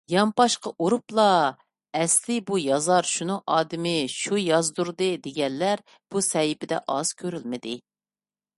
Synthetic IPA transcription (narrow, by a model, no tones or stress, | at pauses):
jɑmpɑʃqɑʔuɾuplˠɑ | ɛslɪbujɑzɑɾʃunɨʔɑːd̪ɪmɪʃujɑzd̪uɾd̪ɨd̪eɡʲɛnːæɾ | b̥usɛjɪpɪd̪ɛ̰ʔɑz̥kʲʰøɾylmɪd̪ɪ